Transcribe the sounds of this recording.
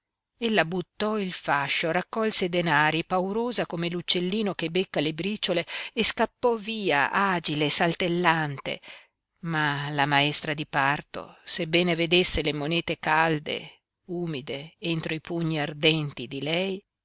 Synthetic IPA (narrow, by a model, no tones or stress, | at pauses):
elːabut̪ːɔilfaʃːorakːɔlsed̪enaːɾipawɾoːzakomelut͡ʃːelːiːnokebekːalebɾiːt͡ʃːoleeskapːɔviːa̰ʔaːd͡ʒileːsalt̪elːant̪ḛ | malamaɛst̪ɾad̪ipart̪o̰sebːɛːneved̪esːelemonɛːt̪ekald̪ḛ | uːmid̪eent̪ɾoipuɲːiard̪ɛnt̪id̪ilɛj